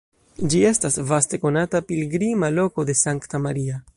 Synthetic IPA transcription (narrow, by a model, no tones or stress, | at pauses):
d͡ʒie̞stasvaste̞ko̞natapilɡɾimalo̞ko̞de̞saŋktamaɾia